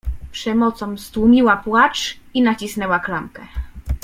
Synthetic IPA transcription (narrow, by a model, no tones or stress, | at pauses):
pʂɛmɔt̪sɔmst̪wumʲiwapwat͡ʂinat͡ɕisnɛwaklamkɛ